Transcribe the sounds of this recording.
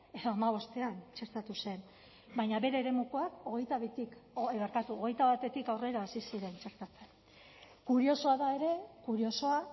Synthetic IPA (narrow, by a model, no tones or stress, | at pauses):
e̞ðo̞amaβ̞o̞st̪e̞ant͡ʃe̞ɾt̪at̪use̞n | bajɲaβe̞ɾe̞ːɾe̞mukoako̞ɣ̞e̞jt̪aβit̪ikoeβaɾkat̪uoɣe̞jt̪aβat̪e̞t̪ikawre̞ɾaːsisiɾe̞nt͡ʃe̞ɾt̪at͡sen | kuɾio̞so̞aðae̞ɾe̞kuɾio̞so̞a